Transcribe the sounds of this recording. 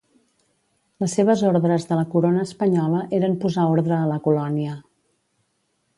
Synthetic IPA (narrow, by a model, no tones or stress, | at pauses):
ləsːeβ̞əzoɾðɾəzðələkuɾonəːspəɲɔləʔeɾəmpuzaoɾðɾəːləkulɔniə